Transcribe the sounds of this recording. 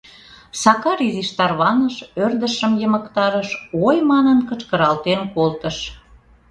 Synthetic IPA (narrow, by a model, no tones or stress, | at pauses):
sɑkɑɾiziʃt̪ɑrβɑnəʃørd̪əʃəmjəməkt̪ɑɾəʃojmɑnənkət͡ʃkəɾɑlt̪enkolt̪əʃ